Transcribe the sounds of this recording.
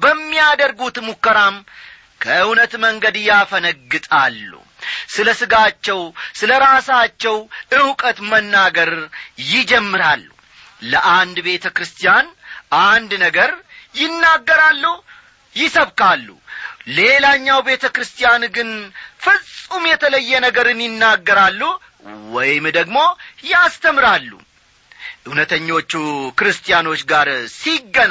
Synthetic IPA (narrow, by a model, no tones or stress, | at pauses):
bəmːijad̪əɾɡut̪mukːəɾam | kʰəɨwnət̪məŋɡəd̪ɨjafənəɡːɨt̪ʼalːṵ | sɨləsɨɡat͡ʃːɛwsɨləɾasat͡ʃːɛwʔɨwkʼət̪mənːaɡəɾjɪd͡ʒɛmːɨɾalːṵ | ləʔand̪be̞t̪ʰəkɾɨst̪ʰijanʔand̪nəɡəɾjɪnːaɡːəɾalːu | jɪsəβkalːṵle̞laɲːawbe̞t̪ʰəkɾɨst̪ʰijanɡɨnfɨsʼumjɛt̪ʰələjːɛnəɡəɾɨnjɪnːaɡːəɾalːu | wɔjmd̪əɡmo̞jast̪ʰəmɾalːṵ | ʔɨhnət̪ʰəɲːo̞t͡ʃːukɨɾɨst̪ʰʼijano̞t͡ʃːɡaɾsiɡːən